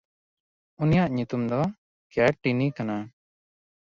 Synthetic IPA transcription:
unijaʔɲut̪umd̪ɔ | kjaʈːinikana

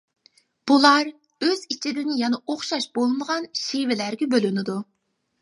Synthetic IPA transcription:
b̥ulˠɑɾ | øzit͡ʃʰid̪ɪnɪjɛnɛoχʃɑʃb̥olˠɨməʁɑnʃivɪlæɾɡʲɛbølynɪd̪u

